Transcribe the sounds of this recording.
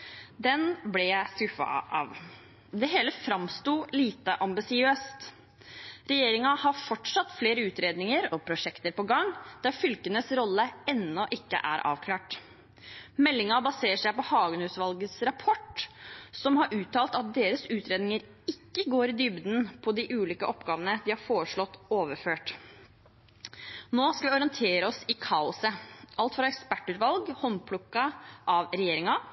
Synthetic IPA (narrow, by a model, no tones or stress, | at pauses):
d̪ɛnblɛæskʉfɑ̰ʔɑ̰ːʋ | d̪ɛɦeːləfɾɑmst̪uːliːt̪əʔɑmbɪsɪøːst̪ | ɾɛjeːɾɪŋɑhɑfɔʈʂɑt̪ːfleːɾəʉːt̪ɾeːd̪nɪŋəɾɔpʰɾʊʂɛkt̪əɾpɔɡɑŋd̪̥æɾfʏlkənəsɾɔlːəɛnːɔʔɪkːə̰ʔæ̰ɾʔɑ̰ːʋkʰlɑːʈ | mɛlːɪŋɑbɑseːʂæɪpɔhɑːɡnʉːsʋɑlɡəsɾɑpʰɔʈ | sɔmhɑɾʔʉːt̪ʰɑːlt̪ɑt̪̚d̪eːɾəsʉːt̪ɾeːd̪nɪŋəɾ | ɪkːəɡoːɾɪd̪ʏbd̪n̩pʰɔd̪ɪʔʉːliːkəʔɔpɡɑːʋənəd̪ɪhɑɾfoːɾəʂɭɔt̪ːoːʋəɾføːʈ | noːskɑʋɪɔɾɪənt̪ʰeːɾəɔsɪkʰɑːʊsəɑlt̪fɾɑɛkspæʈːʉːt̪ʋɑlɡhɔnpʰlʊkːɑʔɑʋɾɛjeːɾɪŋɑ